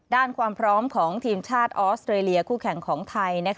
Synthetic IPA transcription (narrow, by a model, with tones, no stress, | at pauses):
daː˥˩nkʰwaː˧mpʰɾɔː˦˥mkʰɔː˩˦ŋt̪ʰiː˧mt͡ɕʰaː˥˩t̪̚ʔoː˦˥st̪ʰɾeː˧li˧ɐkʰuː˥˩kʰɛ˨˩ŋkʰɔː˩˦ŋt̪ʰa˧jna˦˥k